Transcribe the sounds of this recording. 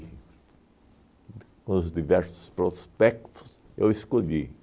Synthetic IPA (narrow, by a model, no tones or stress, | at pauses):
kõʊzd̪ivɛɾsʊ̥spɾospɛkt̪ʊ̥s | ḛweskoʎi